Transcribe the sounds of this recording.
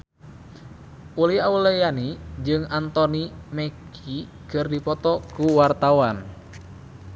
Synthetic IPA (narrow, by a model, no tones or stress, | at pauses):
uliaulɛjanid͡ʒɨŋant̪ɔnimɛki | kɨrdipɔt̪ɔkuwart̪awan